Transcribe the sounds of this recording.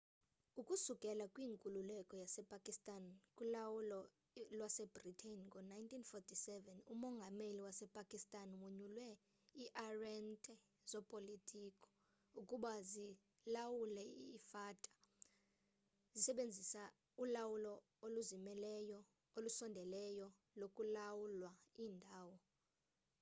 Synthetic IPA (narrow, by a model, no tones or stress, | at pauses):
ukʼusukʼɛlakʼwiːŋkʼululɛkʼɔjasɛpʼakʼistʼankʼulawulɔ | lwasɛbritʰenkʼɔnajntʰʼinfɔtʰʼisɛvɛnumɔŋɡʱameliwasɛpʼakʼistʼanwuɲulwɛ | iʔarɛntʼɛ | z̥ɔpʼolitʼikʰʼɔ̥ | ukʼuɓazi | lawulɛifatʼḁ | zisɛɓend͡zʱisa | ulawulɔ | oluzimɛlɛjɔ | olusɔndʱɛlɛjɔ | lokʼulawulwaiːndʱaːwɔ